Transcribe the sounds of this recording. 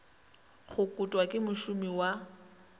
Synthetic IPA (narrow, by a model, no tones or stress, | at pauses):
χʊkʼʊtʼwakʼɪmʊʃʊmiwa